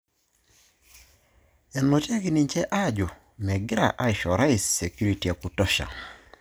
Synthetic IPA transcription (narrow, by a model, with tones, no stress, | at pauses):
ɛ˨nɔ˨te˦ɡi˦ni˨ɲt͡ʃɛ˦ʔa˦d͡ʒɔ˨ | mɛ˨ɡɪ˦ɾa̰˨ʔa˦ɪ˨ʃɔ˨ɾa˦isse˨kju˦ɾi˨ti˨a˨ku˨tɔ˦ʃa̰˨